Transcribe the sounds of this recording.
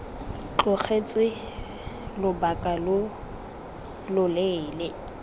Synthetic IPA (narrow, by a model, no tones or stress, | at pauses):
t͡ɬʊk͡xet͡sʼwɪ | lʊbakʼalʊ | lʊleːlɪ